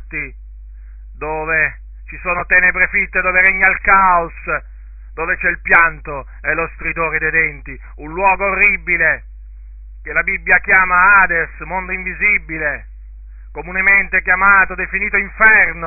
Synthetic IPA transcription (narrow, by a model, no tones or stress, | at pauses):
t̪ːi | d̪oːve | t͡ʃisoːnot̪ɛːnebɾefit̪ːed̪oːveɾɛɲːalkaos | d̪oːvet͡ʃɛilpjant̪o | ɛlost̪ɾid̪oːɾed̪ejd̪ɛnt̪i | unlwɔːɡoːrːibile | kelabibːjakjaːmaaːd̪esmond̪oiɱvizibːile | komunement̪eɛkjamaːt̪od̪efiniːt̪oiɱfɛrno